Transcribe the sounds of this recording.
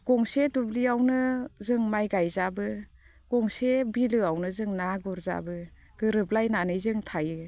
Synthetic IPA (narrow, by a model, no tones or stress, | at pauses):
ɡ̥ɔŋsedubliawnɯzɯŋmajɡajzabɯ | ɡ̥ɔŋsebilɯawnɯzɯŋnaɡɔɾza̰bɯ | ɡ̥ɯɾɯb̚lajnanɯjzɯŋtʰajɯ